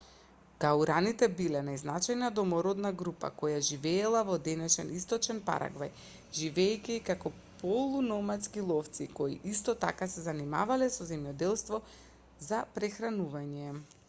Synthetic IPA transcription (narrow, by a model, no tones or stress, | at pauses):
ɡ̥auɾanit̪ɛbilɛnajznat͡ʃajnad̪ɔmɔɾɔd̪naɡɾupa̰kɔjaʒivɛːlˠavɔd̪ɛnɛʃɛnist̪ɔt͡ʃɛnpa̰ɾʔa̰ɡvaj | ʒivɛːcʲikakɔ | pɔlˠunɔmat̪skilˠɔft̪sikɔḭʔist̪ɔt̪a̰kasɛzanima̰valɛsɔzɛmjɔd̪ɛlˠst̪vɔ | zapɾɛxɾanuvaɲɛ